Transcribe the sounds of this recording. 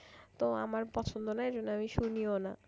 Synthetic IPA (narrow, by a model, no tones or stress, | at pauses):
t̪oa̰maɾpɔt͡ɕʰond̪onaed͡ʑonːoamiʃuniona